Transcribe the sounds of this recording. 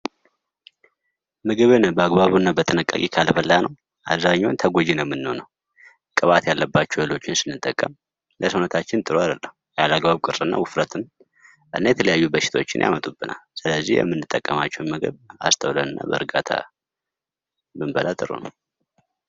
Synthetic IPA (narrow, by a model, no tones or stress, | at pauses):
mɨɡɨβɨnbəaɡbaβunːabət̪ʰʼɨnɨkʼːa̰kʼikʰalfəlːanəw | ʔaβzaɲːawunt̪ʰəɡʷod͡ʒinəwmːɨnːəhonəw | kʼɨβat̪jalːəbːat͡ʃːɛwelo̞t͡ʃːɪnsɨnːɨt̪ʼːəkʼːəm | ləsənət̪ʰat͡ʃːɪnt̪ʼɨɾoad̪əlːəhujalaɡbaβkʼɨrɨnːa̰wɨfɾət̪ʰɨn | ɨ̰nːajɛt̪ʰələjajːubəʃɪ̥t̪ʰo̞t͡ʃːɪnja̰mət̪ʼubɨnʔa̰lsɨləzːihjɛ̰mːɨnːɨt̪ʼːəkʼːəmat͡ʃːɛwnmɨɡɨ̰βa̰st̪ʰəwləwɨnːa̰bə̰ɨɾɡat̪ʰa̰ | mɨmbəlat̪ʼɨɾṵnə̰w